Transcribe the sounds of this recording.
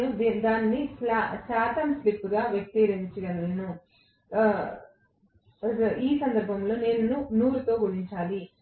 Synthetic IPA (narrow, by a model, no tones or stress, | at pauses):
ud̪d̪aːnːisasaːt̪ɐmslipːɡaːʋjɐk̚t̪iɾiɲt͡ʃidɐnnu | iːsɐnd̪ɐɾbʱɐmlo̞ːneːnːunuːɾut̪o̞ːɡuɽiɲt͡ʃaːli